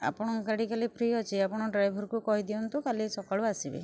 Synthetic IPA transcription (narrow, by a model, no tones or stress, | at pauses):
a̰pɔɽ̃ɔkaɽikalipʰɾijɔt͡ʃʰiapɔɽ̃ɔɖɾajbʱɔɾkukɔɦid̪iɔnt̪ukalesɔkaɭuasibḛ